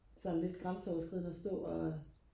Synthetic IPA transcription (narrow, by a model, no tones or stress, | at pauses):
sɒnle̝d̥ɡ̥ʁɑ̈msɒʊɐsɡ̥ʁið̰ˠn̩ɒsd̥ɔ̰̽ːɒ